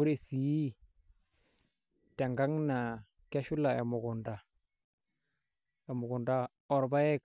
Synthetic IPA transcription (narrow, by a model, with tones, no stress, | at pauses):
u˦ɾe˨si˨ji˦ | te˨ŋɡa˦ŋna˨ | ke˦ʃu˦la˨e˨mu˨ɡu˨nda˨ | e˨mu˨ɡu˨nda˦ | ɔ˨ɾba˦je˦k